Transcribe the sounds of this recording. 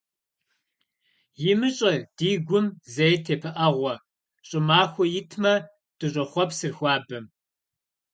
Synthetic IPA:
jɪmɨɕʼɐd̥iːɡʷʊmzɐjtʰeːpʰɐʔɐʁʷɔ | ɕʼɪmaːxʷɔjɪtʰmɐ | d̥ɨɕʼɐχʷɔpsɨrxʷɑːbɨm

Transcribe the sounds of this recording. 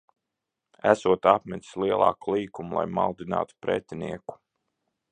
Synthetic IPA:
æ̰suɔt̪apmʲɛt̪ʲi̥slˠiɛlˠɑ̰ːkulˠiːkumulˠa̰jmald̪ina̰ːt̪u̥pɾɛ̰t̪ʲiniɛku̥

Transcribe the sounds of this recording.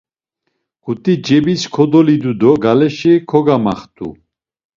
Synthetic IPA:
ɡ̥ut̪ʼid͡ʒɛbiskʰɔd̪ɔlid̪ud̪ɔɡalɛʃikʰɔɡamaχt̪ʰʼṵ

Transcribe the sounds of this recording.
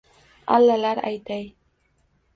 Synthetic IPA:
a̰lːalaɾa̰jt̪ʰaj

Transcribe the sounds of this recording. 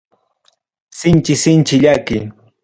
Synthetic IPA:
sɪnt͡ʃɪsɪnt͡ʃɪʎakɪ

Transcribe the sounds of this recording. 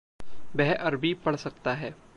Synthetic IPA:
bɛɦʔɐɾbʱipɐɽ̤sɐk̚t̪aɦɛː

